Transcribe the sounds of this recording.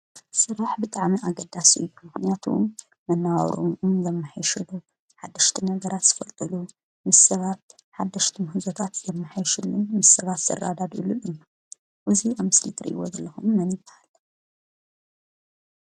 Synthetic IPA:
sɨɾaħbɨt̪ʼaʕmiʔaɡɐd̪ːasijumɨxnijat̪ʰṵm | mɐnːawɐ̰ɾo̰mumzɐmːɨħajʃulu | ħad̪ːɐʃt̪ʰinɐɡɐɾat̪z̥ɨfɐlt̪ʼɨlu | mɨsːɐβat̪̚ | ħad̪ːɐʃt̪ʰimhɨzot̪ʰat̪zɐmːɨħajʃulːunmɨsːɐβat̪sɐ̰ra̰d̪ad̪ɨlːunɨnːu | ʔɨziʔamɨslit̪ʰɨɾɨ̰ʔḭwo̰zɐlːɐxumːɐnib̪aħalːɐ

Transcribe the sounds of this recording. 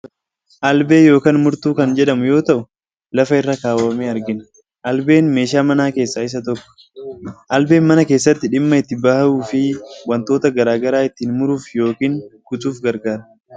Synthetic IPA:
ʔɐlbe̞ːjo̞ːkaːnmʊɾt̪uːkɐnd͡ʒɛᶑɐmʊjo̞ːt̪ɐʔʊ | lɐfɐɪrːakaːwɐmeːɐɾɡɪn | ʔɐlbe̞ːnme̞ːʃaːmɐnaːke̞ːsːaːɪs̬ɐt̪ɔkːɔ̥ | ʔɐlbe̞ːnmɐnɐke̞ːsːɐt̪ːɪᶑɪmːɐɪt̪ːɪbaːhuːfɪwɐnt̪o̞ːt̪ɐɡɐɾaːɡɐɾaːɪt̪ːiːnmʊɾuːfjo̞ːkiːŋkʊtʼuːfɡɐɾɡaːɾɐ

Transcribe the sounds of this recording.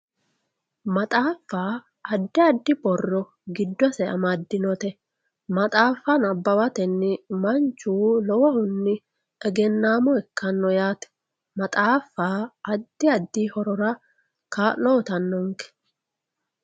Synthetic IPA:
mɐt̪ʼaːfːaː | ɐd̪ːɪɐd̪ːɪbɔrːɔ | ɡɪd̪ːɔsɛʔɐ̰mɐd̪ːɪnɔt̪ɛ | mɐt̪ʼaːfɐnɐbːɐwɐt̪ɛnːɪmɐnt͡ʃːuːlɔwɔhʊnːɪ | ɛɡɛnːaːmɔɛkːɐnːɔjaːt̪ɛ̥ | mɐt̪ʼaːfːaːɐd̪ːɪɐd̪ːiːhɔɾɔɾɐ | kaːɔt̪ɐnːɔŋkɛ̥

